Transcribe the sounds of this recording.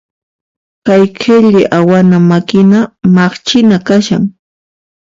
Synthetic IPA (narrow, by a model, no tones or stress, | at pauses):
kajkʰeʎɪʔawanamakɪnamɑχt͡ʃɪnakaʃaŋ